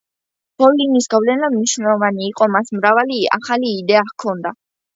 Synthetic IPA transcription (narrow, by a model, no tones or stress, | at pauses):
b̥ɔlinisɡavlɛnamniʃnɛlˠɔvaniːqʼɔmasmɾavalia̰χaliːd̪ɛakʰɔnd̪a